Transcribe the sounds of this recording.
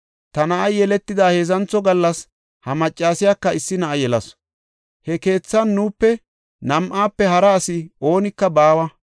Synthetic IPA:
t̪ɐnɐʔɐjjɛlɛt̪ːɪd̪aːhe̞ːzɐnt͡sːɔɡɐlːɐs | hɐmɐt͡ʃʼːaːsɪjaːkːɐɪsːɪnɐʔɐjɛlɐ̰s | hɛke̞ːt͡sːɐnːuːpːɛ | nɐmʔaːpːɛhɐɾɐːsɪo̞ːnɪkːɐbaːwɐ

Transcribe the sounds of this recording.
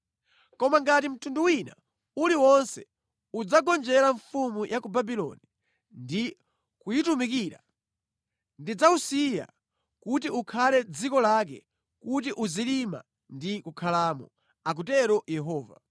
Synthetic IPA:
kɔmaŋɡat̬im̩tʰunduwina̰ | uliwɔnsɛ̰ | ud͡zaɡɔnd͡ʒɛɾaɱfumujʔakubabilɔ̰ni | ndi | kujitumikiːɾa̰ | ndid͡zausija̰ | kut̬iukʰalɛd͡zikɔlak̬ɛ̰ | kut̬iʔuzilima̰ | ndikukʰalaːmɔ̰ | ak̬utɛɾɔjɛɦɔːva̰

